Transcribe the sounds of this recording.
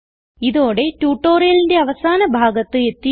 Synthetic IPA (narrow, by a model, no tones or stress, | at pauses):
iðoːɽe̞tuːʈːoːɾijɐlinde̞ɐʋɐsaːnɐbʱaːɡɐt̪ːɨe̞t̪ːi